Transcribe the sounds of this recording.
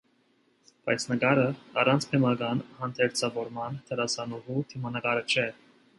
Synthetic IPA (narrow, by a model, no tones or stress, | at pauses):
b̥ɑjt͡sʰnəkɑɾəɑrɑnt͡sʰpʰɛmɑɡɑnhɑnt̪ʰɛɾt͡sʰɑvɔɾmɑnt̪ʰəɾɑsɑnɔvut̪ʰimɑnəkɑɾət͡ʃʰɛ